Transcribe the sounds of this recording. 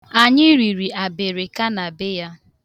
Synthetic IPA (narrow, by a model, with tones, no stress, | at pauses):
a˨ɲɪ˦ɾi˨ɾi˨a˨be˨ɾɪ˨ka˦na˨bɪ˦ja˦